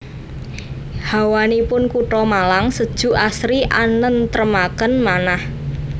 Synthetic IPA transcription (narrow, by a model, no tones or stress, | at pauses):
hawanipʊnkuʈɔmalaŋsəd̥ʒ̥ṳʔasɾiʔanənt̪ɾəmakənmanah